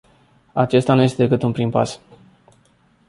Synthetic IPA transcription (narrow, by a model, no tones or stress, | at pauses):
at͡ʃe̞st̪anuje̞st̪eekɨt̪unpɾimpa̰s